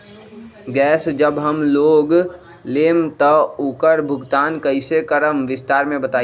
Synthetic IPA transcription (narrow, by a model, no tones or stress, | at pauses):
ɡɛːsd͡ʒəbɦəmloːɡ | leːmt̪ɔʊkəɾbʱʊɡt̪aːnkəɪsekəɾəmʋɪst̪aːɾmẽbət̪aː